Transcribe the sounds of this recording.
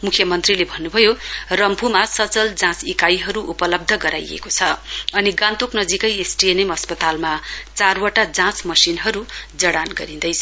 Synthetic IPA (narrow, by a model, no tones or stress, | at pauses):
mukʰjʌmʌnt̪rilebʱʌnːubʱʌjorʌmpumasʌt͡sʌld͡zãt͡sikajɦʌɾuʔupʌlʌb̚d̪ʱʌɡʌɾa̰jḛkot͡sʰʌʌniɡãnt̪oknʌd͡zikʌjesʈienemʌspʌt̪almat͡sarwaʈad͡zãt͡smʌsinɦʌɾud͡zʌɽanɡʌɾind̪ʌjt͡sʰʌ